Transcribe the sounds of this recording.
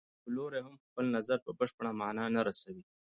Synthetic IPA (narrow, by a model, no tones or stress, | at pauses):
b̪əloɾeɦamxpəlnazaɾpəbəʂpaɳamɑnɑnaɾasawi